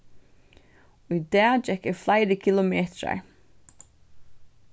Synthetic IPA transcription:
ujd̪æːd͡ʒɛkɪɹflajɾəkʰɪlʊmeːt̪ɹa̰ɹ

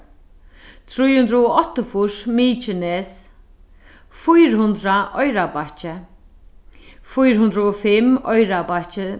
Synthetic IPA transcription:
t̪ʰɾujhʊnd̪ɾaɔɔht̪ʊfʊʂmiːt͡ʃɪnɛs | fujɾhʊnd̪ɾaʔɔjɾabat͡ʃɪ | fujɾɦʊnd̪ɾəɔfɪmɔjɾabat͡ʃɪ

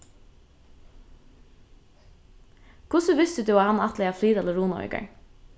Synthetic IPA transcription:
kʰʊsəʋɪst̪ʉd̪ʉːɑhɑnɑt̪lɛɪɑːfliːd̪ɑləɹuːnɔ̰ʏkə̰ɹ

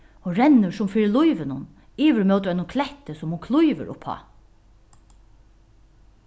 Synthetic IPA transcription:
ɔɾɛnːʊsʊmfiːɹɪlujʋɪnʊn | iːʋəɾmœwt̪əɾanʊnkʰlɛht̪əsʊmhʊnkʰlʊjʋə̰ɾʊ̰phɑ̰

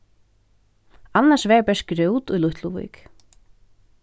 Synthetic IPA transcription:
anːḁsvɛːpɛskɾœwt̪ujlʊht̪ʰluvḭk

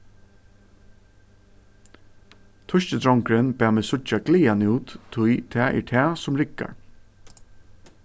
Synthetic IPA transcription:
t̪ʰʊʃt͡ʃət̪ʰɾɔŋkɾɛnbæːmɛːsʊt͡ʃaɡliːanuːt̪ʰːʊjt̪ʰæːʔɛ̰ɹt̪ʰæːsʊmɹɪka̰ɹ

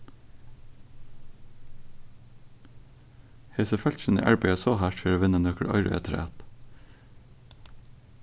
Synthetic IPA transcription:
heːsəfɛlʃənḭʔæɹbeɪəsoːhæʈføːɾoːʋɪnənœkəɽʔɑ̰ɪɾə̰ḛːt̪ʰɾæ̰ːt̪

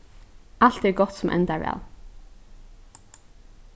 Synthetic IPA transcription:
aɬt̪ɛɹɡɔt̪sʊmʔɛ̰nt̪aɹʋæ̰ːl

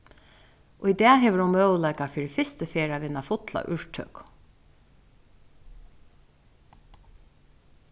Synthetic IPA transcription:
ʔɔid̪ɛːɦeːʋəɾʊnmœːwlæɪkafiːɹifɪst̪əfeːɹaʋɪnːafʊt̪la̰ʔʏɹʈ̪ʰœ̰k

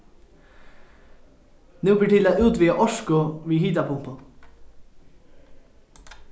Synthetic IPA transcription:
nʉːbiːʈɪlaːʔʉːt̪ʋiːəʔɔʃkʊʋiːhiːt̪ɑpʰʊmpʊ

